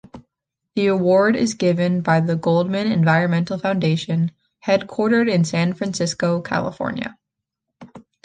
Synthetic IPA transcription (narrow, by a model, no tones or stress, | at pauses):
ðiəwɔɹɾɪ̰zɡɪvɨ̃nbaɪðɨɡoʊlˠd̚mɨ̃nɨ̰̃nvaɪɹɨ̃nmɛ̃ntˡl̩ˠfãʊ̃ndeɪʃɨ̃n | hɛd̚kʰw̥ɔɹɾə˞ɾɨ̃nsæ̃nfɹæ̃nsɪskoʊkʰæ̰lˠə̰fɔ̰ɹnjɨ̰